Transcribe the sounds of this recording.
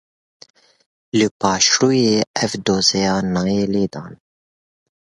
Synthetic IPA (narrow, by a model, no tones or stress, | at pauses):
lɨpɑːʃɾuːjeːɛvd̪oːzɛjɑːnɑːjeːleːd̪ɑːn